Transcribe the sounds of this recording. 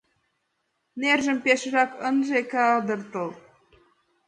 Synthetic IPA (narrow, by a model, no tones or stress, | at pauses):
nerʒɘ̆mpeʃʒɑkənʒekæɑd̪ɤ̆rt̪ɤlˠ